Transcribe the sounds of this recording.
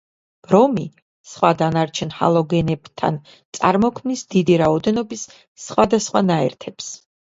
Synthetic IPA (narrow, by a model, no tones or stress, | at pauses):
b̥ɾɔmi | sχwad̪anaɾt͡ʃʰɛnha̰lˠɔɡɛnɛbt̪ʰa̰n | t̪sʼa̰ɾmɔkʰmnisd̪id̪iɾaɔd̪ɛnɔbisː | χwad̪asχwanaɛ̰ɾt̪ʰɛps